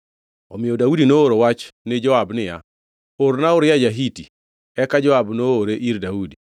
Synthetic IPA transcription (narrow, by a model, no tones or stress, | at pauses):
ɔmɪjɔdaudinooɾowat͡ʃnɪd͡ʒɔabnɪja̰ | oɾnaʊɾjad͡ʒaɦiti | ɛkad͡ʒɔabnooɾeʔiɾdaudi